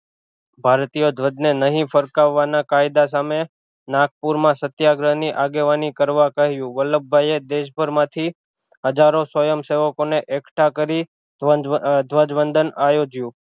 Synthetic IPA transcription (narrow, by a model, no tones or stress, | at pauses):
bʱaɾt̪ijod̪ʱʋəd͡ʒnenəɦĩfəɾkaʋːanakajd̪as̬ame | nak̚puɾmãsət̪jaɡɾəniʔaɡeʋanikəɾʋakəɦjũʋələbʱːajed̪eʃbʱəɾmãt̪ʰi | ɦəd͡ʒaɾosəjəmseʋəkoneʔekʈʰakəɾi | d̪ʱʋəd͡ʒʋənd̪ənajod͡ʒjũ